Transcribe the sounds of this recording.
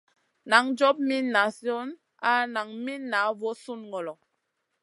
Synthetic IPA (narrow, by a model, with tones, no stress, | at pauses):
na˨˦ŋd͡ʒɔ˦p̚mi˦nːa˨sjɔ˦n | a˦na˨ŋmi˦nːa˨˦vɔ˦su˦nŋɔ˨lɔ˨